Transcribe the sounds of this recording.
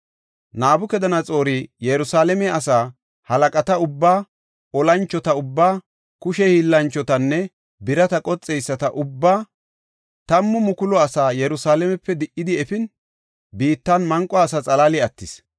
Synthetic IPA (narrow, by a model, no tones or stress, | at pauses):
naːbʊkɛd̪ɐnɐt͡sʼo̞ːɾijɛɾʊsaːlɛmɛɐsaː | hɐlɐkʼɐt̪ɐʊbːaː | ɔlɐnt͡ʃːɔt̪ɐʊbːaː | kʊʃɛhiːlːɐnt͡ʃːɔt̪ɐnːɛ | bɪɾɐt̪ɐkʼɔt͡sʼːɛjsːɐt̪ɐʔʊbːaː | t̪ɐmːʊmʊkʊlɔɐsaːjɛɾʊsaːlɛmɛpːɛd̪ɪʔːɪd̪ɪɛfɪn | biːt̪ːɐnmɐŋkʼːɔɐsɐt͡sʼɐlaːlɪɐt̪ːɪs